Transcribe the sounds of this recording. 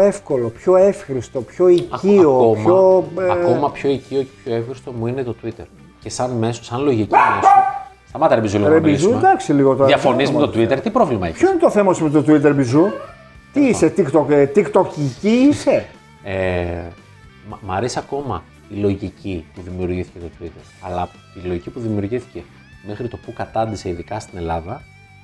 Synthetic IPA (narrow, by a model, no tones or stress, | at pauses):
efko̞lo̞pço̞efxɾist̪o̞pço̞icioomoɐomɐpço̞iciocepçoefxɾist̪o̞muinet̪ot̪uit̪eɾ | cesɐnme̞sosɐnlo̞ʝici | st̪ɐmɐt̪ɐɾebizulɾebizud̪ɐksiliɣot̪oiɐfo̞nizmet̪ot̪uit̪eɾt̪ipɾo̞vlimɐḛçpçoinet̪oθe̞mɐsmet̪ot̪uit̪̬eɾbizu | t̪iiset̪ikt̪okt̪ikt̪ociciise̞ | e | mmɐɾesɐko̞mɐ̰ | t̪ilo̞ʝicipuðimiuɾʝiθi̥cet̪ot̪uit̪e̞ɾɐlɐ | t̪ilo̞ʝicipuðimiuɾʝiθi̥ce̞ | mexɾit̪o̞pukɐt̪ɐnd̪ise̞iðikɐst̪ine̞lɐðɐ